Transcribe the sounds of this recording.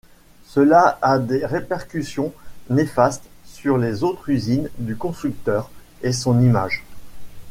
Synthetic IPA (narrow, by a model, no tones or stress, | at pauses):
səlaad̪eʁepɛʁkʲysjɔ̃nefast̪syʁlezot̪χyzind̪ykɔ̃st̪χyk̚t̪œʁ | esɔ̃nima̰ʒ